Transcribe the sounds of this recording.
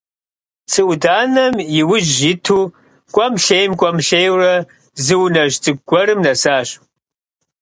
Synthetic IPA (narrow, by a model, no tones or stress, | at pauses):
t͡sʰɨʔʷdaːnɐmjɪwʊʒitʰuː | kʷʼɐmɬejmkʷʼɐmɬejwrɐ | zɨwnɐʒt͡sʼɨɡ̚ɡʷɔɾɨmnɐsaːɕ